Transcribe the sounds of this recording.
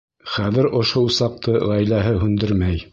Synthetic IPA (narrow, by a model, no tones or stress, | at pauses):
χæðɘ̆ɾʔŏʃowsɑq̚t̪ɤʁæjlæɦɘɦʉnd̪ɘɾmæj